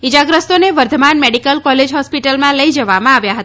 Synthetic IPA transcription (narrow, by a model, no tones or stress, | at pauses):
id͡ʒaɡɾəst̪oneʋəɾd̪ʱəmanmɛɽikəlkɔled͡ʒɦɔspiʈəlmãləid͡ʒəʋamãaʋjaɦət̪a